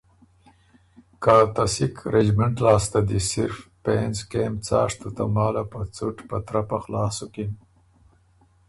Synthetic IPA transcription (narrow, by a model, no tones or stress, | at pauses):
kat̪asikʰɾed͡ʒmɪɳʈlɑːst̪ad̪isɪɾfpenzkeːmt͡sɑ̰ːʂt̪ut̪a̰mɑːlapat͡suʈpat̪ɾapaxlɑːsukin